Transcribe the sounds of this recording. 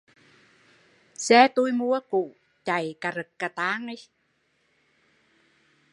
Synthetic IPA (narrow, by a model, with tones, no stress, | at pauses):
sɛː˦t̪u˧˥jmu˧˦əku˨ | t͡ɕa˨˩jka˨ɾə˨˩kːa˨t̪aː˧˦˥ŋə˧˦